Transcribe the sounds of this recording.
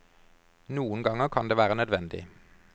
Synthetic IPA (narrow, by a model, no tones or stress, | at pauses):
nuːənɡɑŋəkʰɑnd̪eːʋæːʁənœd̪ʋɛnd̪ɪ̰